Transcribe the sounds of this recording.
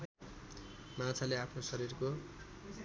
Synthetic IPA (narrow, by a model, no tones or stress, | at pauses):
mãt͡sʰaleapʰnosʌɾirko